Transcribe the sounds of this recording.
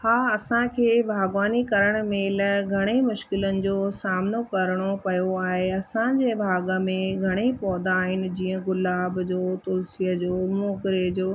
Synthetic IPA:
haːɐsãkʰeːbʱaːɡʋaːnikɐɾəɽ̃mẽːlɡʱɐɽ̃emʊʃkɪlənɪ̆d͡ʑoːsaːmɪnokɐɾɽ̃opɐjoaːɦeɐsãd͡ʑeːbʱaːɡəmẽɡʱɐɽ̃epɔːd̪aːɦɪnɪ̆d͡ʑĩːə̃ɡʊlaːbd͡ʑoːt̪ʊlsijəd͡ʑoːmoːkɾed͡ʑoː

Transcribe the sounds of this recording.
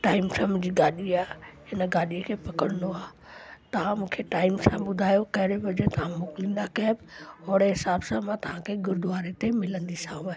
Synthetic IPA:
ʈaːɪmsəmd͡ʑiːɡaːɗiaːɦɪnəɡaːɗiekʰepɐkəɽənd̪oaː | t̪ɐʋ̤ãmũːkʰeʈaːɪmsãɓʊd̪ʱaːjokɐɦɪɽebɐd͡ʑet̪ɐʋ̤ãmʊklĩnd̪akɛbɦɔːɽeɦɪsaːbsãmãt̪ɐʋ̤ãkʰeɡʊɾd̪ʋaːɾet̪emɪlə̃nd̪isãːũe

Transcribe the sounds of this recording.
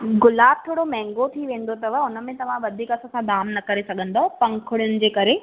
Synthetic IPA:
ɡʊlaːb̚t̪ʰoːɽomɛ̃ːŋɡot̪ʰiʋẽːn̆d̪ot̪ɐʋɐʊnə̆mẽt̪ɐʋ̤ãʋɐd̪ʱiːkɐsãːsãd̪aːmnɐkɐɾesɐɡʱə̃n̆d̪opɐ̃ŋkʰʊɽjʊnɪ̆d͡ʑeːkɐɾe

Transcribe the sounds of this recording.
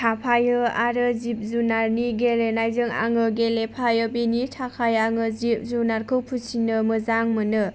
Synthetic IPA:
tʰapʰajɯaɾɯzip̚zunaɾniɡeɾenajzɯŋa̰ŋɯɡelepʰajɯbinitʰakʰajaŋɯzip̚zunaɾkʰɯwpʰusinɯmɯzaŋmɯnɯ

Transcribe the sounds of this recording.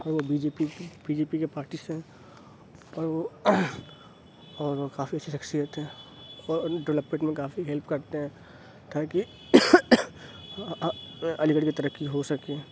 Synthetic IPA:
ɔːɾʋobiːd͡ʒeːpib̥iːd͡ʒeːpikepaːɾʈisɦɛ̃ | ɔːɾʋo | ɔːɾʋokaːfiɐtːʃʰiʃɐxsijət̪ɦɛ̃ | ɔːɖɪʋləpːẽʈmẽkaːfiɦɛlpkɐɾt̪eɦɛ̃ː | t̪aːki | ɐlɪɡəɽkit̪ɐɾəkːiɦosɐke

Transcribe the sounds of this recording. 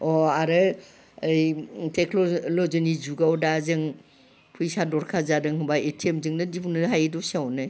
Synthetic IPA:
ɔaɾɯ | jteknɔlɔzɯnizuɡawdazɯŋ | pʰujsadɔɾkʰazadɯŋɦɯbaetʰiemzɯŋnɯdipʰunɯɦajdɔsiawnɯj

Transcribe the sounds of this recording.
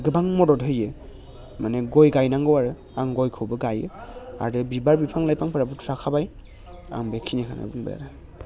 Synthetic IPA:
ɡɯbaŋmɔdɔtɦɯjɯ | maneɡɔjɡajnaŋɡɯwaɾɯ | aŋɡɔjkʰɯwbɯɡajɯa̰ɾdɯbibaɾbipʰaŋlajpʰaŋpʰɯɾabɯtʰɾakʰabaj | a̰ŋbekʰinekʰana̰bɯŋbɯ̰ja̰ɾɯ

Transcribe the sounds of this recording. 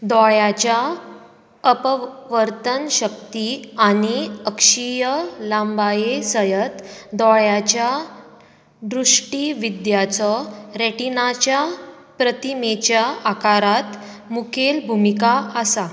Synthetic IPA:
d̪ɔɭjat͡ɕja | əpʋəɾt̪ənɕək̚t̪iañiəkʂijəlãmbajesəjət̪d̪ɔɭjat͡ɕja | ɖɾuʂʈiʋid̪jat͡sɔɾeʈinat͡ɕja | pɾət̪imet͡ɕjaakaɾat̪ | mukʰelbʱumikaəsa

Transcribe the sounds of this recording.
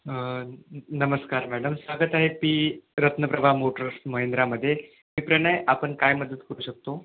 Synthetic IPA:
nəməskaɾmæɽəmsʋaɡət̪aɦepiːɾət̪nəpɾəbʱamoʈəɾsməɦend̪ɾaməd̪ʱːje | miːpɾəɽ̃əjʔapəɳkajməd̪ət̪kəɾuːɕək̚t̪o

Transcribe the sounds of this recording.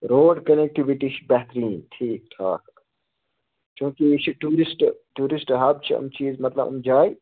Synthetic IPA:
ɾoːɖkɐnek̚ʈiʋiʈiʃbɛːt̪ɾiːnʈʰiːk̚ʈ̪ʰa̰ːk | t͡ʃũːkit͡ʃʰiʈuːɾɪsʈʈuːɾɪsʈɦɐb̚t͡ʃʰiɐ̰mt͡ʃiːzmɐt̪lɐ̰bɐ̰md͡ʒaːi

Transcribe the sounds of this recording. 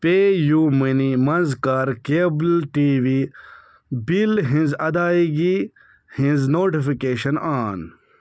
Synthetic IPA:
peːjuminimɐnzkaːɾkeːblʈiːʋi | bilɦĩnzɐd̪aːiɡi | hĩnznoːʈifikeːɕɐnaːn

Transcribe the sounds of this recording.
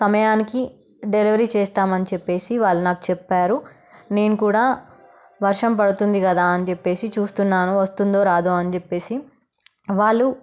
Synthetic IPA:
sɐmɐjaːniki | ɖeliʋɐɾiːt͡ʃeːst̪aːmɐnit͡ʃɛpːe̞ːsiʋaːɭːunaːku̥t͡ʃɛpːaːɾu | ne̞ːnukuːɽaː | ʋɐɾʂɐmpɐɽut̪und̪ikɐd̪aːɐnit͡ʃepːe̞ːsit͡ʃuːst̪unːaːnuʋɐst̪und̪oːɾaːd̪oːɐnit͡ʃepːe̞ːsi | ʋaːɭːu

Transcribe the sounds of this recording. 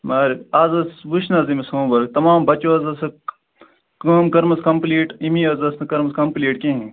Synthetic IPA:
maːɾaːzɐsʋuʃnɐːzimisõːbɐɾk̚t̪ɐmaːmbɐt͡ʃoːɐzɐsɐ | kɐːmkɐɾmɐskɐmpliːʈimiːɐːzɐsnɐkɐɾmɐskɐmpliːʈkẽɦẽ

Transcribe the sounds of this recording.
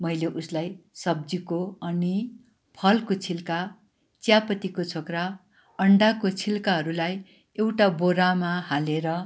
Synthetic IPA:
mʌjleʔuslajsʌb̚d͡zikoʌni | pʰʌlkot͡sʰilka | t͡sjapʌt̪ikot͡sʰokra | ʌɳɖakot͡sʰilkaɦʌɾulaj | ewʈaboɾamahaleɾʌ

